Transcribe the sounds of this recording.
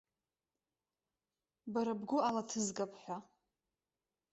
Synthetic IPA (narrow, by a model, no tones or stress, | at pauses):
baɾɨbɡʷʊalatʰɨzɡapʰʼħʷᶣa